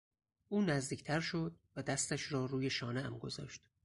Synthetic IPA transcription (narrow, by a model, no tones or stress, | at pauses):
ʔuːnæzd̪iːkcʰt̪ʰæɾʃo̞d̪̚væd̪æst̪æʃɾɒːɾuːje̞ʃɒːneæmɡo̞̰zɒ̰ːʃt̪